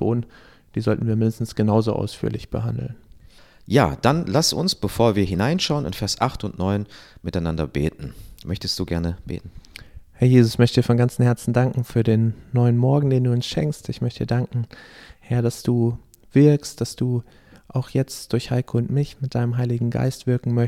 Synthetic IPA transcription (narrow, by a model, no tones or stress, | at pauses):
b̥o̰ːdn | d̥iːzɔltn̩viːɐmɪndəstn̩sɡ̥ənaʊzoʔa̰ʊsfy̰ːɐlɪçb̥ə̰ɦandl̩n | ja̰ːd̥anlasʊ̰nsb̥əfoːɐviːɐɦɪnaɪnʃaʊənɪ̰nfɛɐsʔaχtʊntnɔʏnmɪtaɪnandɐbḛːtn̩mœçtəstd̥uːɡɛɐnəb̥ḛːtn̩hɛɐjeːzʊsmœçtədiːɐfɔnɡant͡sn̩hɛɐt͡sn̩daŋkŋ̩fyːɐdeːnːɔʏənmɔɐɡŋ̩deːnduːʊnsʃɛŋkstɪçmœçtdiːɐdaŋkŋ̩hɛɐd̥asd̥uː | v̥ɪɐkstd̥asd̥uː | ʔaʊxjɛt͡std̥ʊɐçhaɪkʰəʊntmɪçmɪt̚d̥aɪnəmɦaɪlɪɡŋ̩ɡa̰ɪstv̥ɪɐkŋ̩mœ